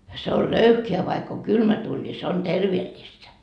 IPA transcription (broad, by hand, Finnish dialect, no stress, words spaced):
se ol løyhkeæ ʋɑikː oŋ kylmæ tuːlʲ ni se on terʋeːlːistæ